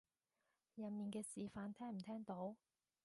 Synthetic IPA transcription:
jɐ˨nmiː˨nkɛː˧siː˨faː˨˧˥nt̪ʰɛː˥ŋm̩˨˩t̪ʰɛː˥ŋt̪o˨˥w

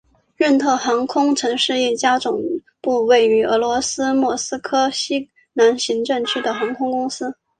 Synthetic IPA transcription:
ɻə˥˧nt̪ʰɤ˥˩xɑ˧˥ŋkʰʊ˥ŋʈ͡ʂʰɤ˧˥ŋʂɻ̩˥˧ɛ˥˩t͡ɕja˥ʈ͡ʂʊ˨˩ŋ | pu˥˧we˥˩ɪy˧˥ɤ˧˥lwɔ˧˥sɹ̩˥mwɔ˥˩sɹ̩˥kʰɤ˥ɕi˥ | na˧˥nɕi˧˥ŋʈ͡ʂɤ˥˩ŋt͡ɕʰy˥d̪ə˨xɑ˧˥ŋkʰʊ˥ŋkʊ˥ŋsɹ̩˥

